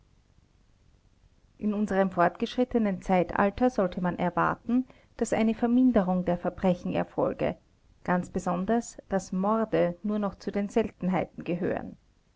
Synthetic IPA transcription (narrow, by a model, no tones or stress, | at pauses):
ʔɪnʊnzəʁ̞əmfɔɐtɡ̥əʃʁ̥ɪtənənt͡saɪtʔa̰ltʰɐzɔltʰəmanʔɛɐva̰ɐtn̩ | d̥asʔa̰ɪnəfɛɐmɪndəʁʊŋdeːɐfɛɐbʁɛçn̩ɛ̰ɐfɔ̰lɡə̰ | ɡ̥ant͡sb̥əzɔndɐsd̥asmɔɐdənuːɐnɔχt͡sudeːnzɛltn̩ɦaɪtn̩ɡəɦø̰ːʁə̰n